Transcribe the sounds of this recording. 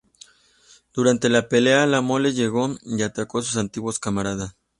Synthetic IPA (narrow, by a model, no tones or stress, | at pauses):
d̪̥uɾant̪elapelealamoleʝeɣoiat̪akos̬us̬ant̪iɣwoskamaɾaðas